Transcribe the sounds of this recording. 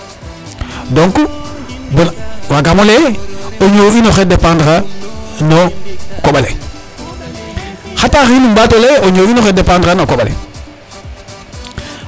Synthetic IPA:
doŋkubewaɡamoleoɲoːinoxedepãndɾanokoɓale | xataːxinumbatoleoɲoːinoxedepãndɾanokoɓalḛ

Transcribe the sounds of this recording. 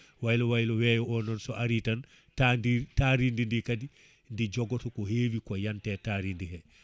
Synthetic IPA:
wajlɔwajlɔwɛːjɔɔnɔnsɔʔaɾitan | tanditaɾindindikadi | ndid͡ʒɔɡɔtɔkɔɦeːwikɔjantɛtaɾindihɛ

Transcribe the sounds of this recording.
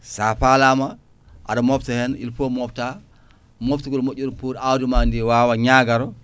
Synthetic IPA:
safalama | ʔa̰damoftihɛnḭlpomɔfta | moftiɡulmot͡ʃːuɾpuɾawdumandiwaːwaɲaɡaɾɔ

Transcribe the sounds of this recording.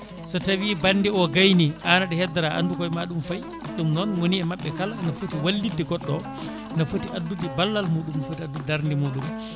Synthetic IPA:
sɔtawibanːdiɔɡajniʔanaɗɛhɛdːaɾaʔa̰ndukɔjmaɗumfaj | ɗumnɔnwoniɛmaɓːɛkalanafotiwalːidiɡɔɗːɔ | nafotiʔadːudibalːalmuːɗumfotiadːuddaɾndimuːɗum

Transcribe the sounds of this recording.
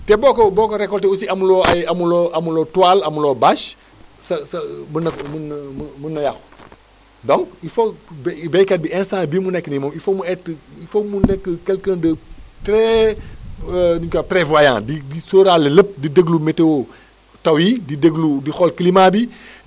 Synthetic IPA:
tɛbɔkobɔːkoɾekɔlteusiɐmuloajɐmuloʔɐmulotuwalɐmuloːbaʃ | sɐsɐmənɐkmnmmunːɐjax | dɔ̃ŋkifobbejkat̚biɛ̃nsãːbiːmunɛkːnimomifomuɛtifomunɛkːəkelkəndətɾe | nikapɾevajã̰ːdidisoːɾaleləp̚didəɡlumeteo | tɐwididəɡludixɔlklimabi

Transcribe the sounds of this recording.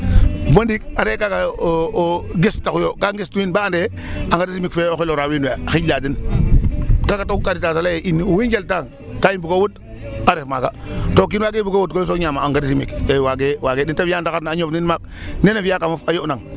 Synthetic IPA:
bondikaɾekaka | ɡistakujokaŋɡistuinbaande | aŋɡadisimikfeoxiloɾawinuaxiladin | kakatokkaɾitasalaeʔiniwind͡ʒaltaŋ | kajimbukowut | aɾefmaka̰tok̬inwaɡebukowut̚kojs̬oɲamaːŋɡadisimḭkewaɡewaɡedintaviandakatnaːɲovninmak̚ | nenaviakamofajonaŋ

